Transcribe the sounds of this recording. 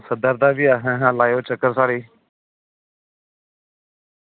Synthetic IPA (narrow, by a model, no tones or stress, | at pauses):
səd̪əɾd̪aːbiːaːɦɛ̃ːɦãːlaːjoːt͡ʃəkəɾsaːɽiː